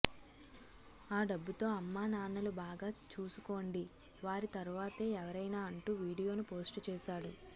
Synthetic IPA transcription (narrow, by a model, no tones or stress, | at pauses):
aːɖɐbːut̪o̞ːɐmːaːnaːnɐlubaːɡaːt͡ʃuːsuko̞ːɳɖi | ʋaːɾit̪ɐɾuʋaːt̪e̞ːɛʋɐɾɐjnaːɐɳʈuːʋiːɽijo̞ːnupo̞ːsʈt͡ʃɛːʃaːɽu